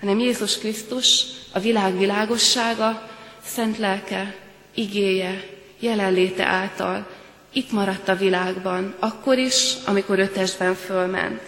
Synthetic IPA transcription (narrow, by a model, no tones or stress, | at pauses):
hɒnɛmjeːzuʃkrist̪uʃɒvilaːɡvilaːɡo̞ʃːaːɡɒsɛnt̪lɛlkɛ | iɡeːjɛ | jɛlɛlleːt̪ɛ̰ʔaːlt̪ɒ̰l | it̪mɒɾɒt̪ːɒvilaːɡbɒnɒkːo̞ɾiʃɒ̰miko̞ɾø̞t̪ɛʒd̪bɛɱfølmɛ̰nt̪